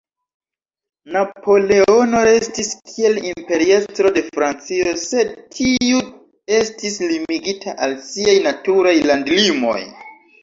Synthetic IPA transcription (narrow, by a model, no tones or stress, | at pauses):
napʰo̞le̞o̞no̞ɾe̞stiskʰie̞limpe̞ɾiestɾo̞de̞fɾant͡sio̞se̞d̚tʰiu | e̞stislimiɡitʰaʔalsiajnatuɾajlandlimo̞̰j